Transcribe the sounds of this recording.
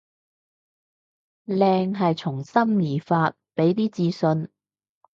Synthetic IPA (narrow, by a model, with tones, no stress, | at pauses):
lɛː˧ŋɦɐ˨jt͡sʰʊ˨˩ŋsɐ˥mliː˨˩faː˧t̚pe˨˥jt̪iː˥t͡siː˧sɵ˧n